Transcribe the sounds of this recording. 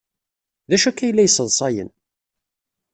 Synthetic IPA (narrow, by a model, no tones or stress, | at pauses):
ðæʃækːæjlːæjsˤəðˤsˤɑjə̰n